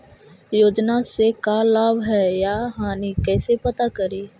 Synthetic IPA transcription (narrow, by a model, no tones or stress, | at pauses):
joːd͡ʒnasekaːlaːbɦɛjaːɦaːnikɛːsepɐt̪akɐɾeː